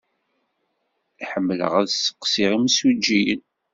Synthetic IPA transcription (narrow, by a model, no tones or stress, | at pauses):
iħəmːələ̰ʁæðsə̥qːsiʁimsud͡ʒːijə̰n